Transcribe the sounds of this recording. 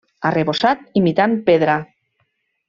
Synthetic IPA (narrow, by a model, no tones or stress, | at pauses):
areβosat̪̚imit̪ampeðɾa